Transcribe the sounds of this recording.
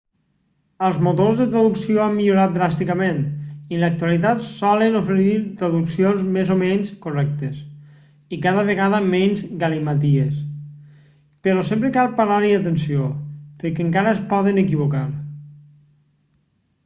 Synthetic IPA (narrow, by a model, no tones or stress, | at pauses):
əlˠzmut̪ozðət̪ɾəðuksioamːiʎuɾat̪̚d̪ɾast̪ikəmenilək̚t̪ualit̪at̪sɔlənufəɾiɾt̪ɾəðuksionzmezomɛnskurɛk̚t̪es | ikaðəβ̞əɣaðəmɛnzɡalimat̪̬ies | pəɾɔsempɾəkalˠpaɾaɾiat̪ənsiopəɾkɛəŋkaɾəːspɔðənəkiβ̞okaɾ